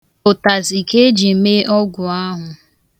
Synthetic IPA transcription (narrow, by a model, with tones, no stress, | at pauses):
ʊ˨ta˨zi˨ke˦d͡ʒi˨˦me˦ʔɔ˦ɡʷʊ˨a˦ɦʊ˨